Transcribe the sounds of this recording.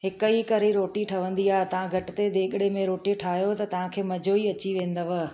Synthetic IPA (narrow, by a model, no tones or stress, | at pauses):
ɦɪkəikɐɾiɾoːʈiʈʰɐʋə̃nd̪iaːɪt̪ɐʋ̤ãɡʱɐʈɪt̪ed̪eːɠɪɽemẽɾoːʈiʈʰaːɦjot̪ɐt̪ɐʋ̤ãkʰeːmɐd͡ʑʱoːiɐt͡ɕiʋẽːnd̪əʋ